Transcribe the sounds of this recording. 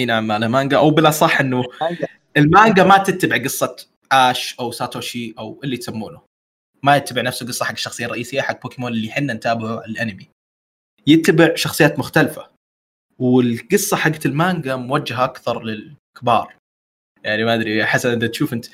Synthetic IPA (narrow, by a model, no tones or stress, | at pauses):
inaʕamːaːlamaːŋɡaʔawbɪlʔɑsˤɑħːʔɪnːʊ | ʔɪlmaːŋɡamat̪ɪt̪ːabɪʕɡɨsˤːɑt̪ | ʔaːʃʔawsaːt̪oːʃiʔawʔɪlːit̪samːṵːnʊ | majɪt̪ːabɪʕnafsʊɡɨsˤːɑħaɡːḁʃːɑxsˤɨjːɑrˤːɑʔiːsɪjːaħaɡ̚ːpokɪmoːnɪlːiħɪnːant̪aːbɪʕuʕalʔanɪmi | jɪt̪ːabɪʕʃɑxsˤɨjːaːt̪mʊxt̪alfa̰ | wɪlɡɨsˤːɑħaɡːat̪ɪlmaːŋɡamwad͡ʒːaɦaʔakθɑɾˤlɪlkɪbɑ̰ːɾˤ | jaʕnimaʔad̪ɾiħasːanʔɪnd̪at̪ʃuːfʔɪnt̪